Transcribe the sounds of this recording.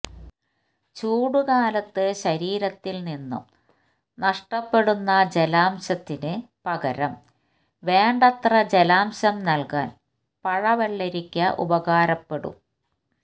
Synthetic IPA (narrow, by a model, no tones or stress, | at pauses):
t͡ɕuːɽukaːlɐt̪ːɨɕɐɾiːɾɐt̪ːilninːṵm | nɐʂʈɐpːe̞ɽunːɐd͡ʑelaːmɕɐt̪ːinɨ | pɐɣɐɾɐm | ʋe̞ːɳɖɐt̪rɐd͡ʑelaːmɕɐmnɐlka̰ːn | pɐɻɐʋeɭːeɾikʲːɐʔṵbɐɣaːɾɐpːe̞ɽṵm